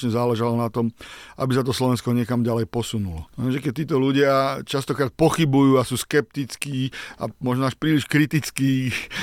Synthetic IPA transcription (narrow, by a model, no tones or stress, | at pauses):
ɲɛzaːlɛʒalɔnat̪ɔmʔabisat̪̬ɔslɔʋɛnskɔɲɪɛkamɟalɛjpɔsunulɔɛmʒɛkɛc̚t̪iːt̪ɔluɟɪat͡ʃast̪ɔkɾaːt̪̚pɔxibujuːasuːskɛp̚t̪it͡skiːa̰mɔʒnɔaʃpɾiːliʃkɾit̪it͡skiː